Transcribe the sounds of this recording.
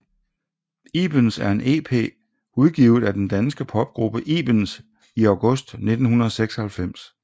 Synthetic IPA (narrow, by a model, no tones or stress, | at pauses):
ḭːb̥ənsæɐe̝nʔe̝̰ːpʰe̝̰ː | uðˠɡ̥iʊð̞̩ˠæd̥end̥ænsɡ̥əpʰɒ̽b̥̚ɡ̥ʁub̥əʔiːb̥əns | iɑ̈ʊɡ̥ɔ̽sd̥ne̝d̥n̩hunɐðˠɒ̽seɡ̥sɒ̽hælfem̰s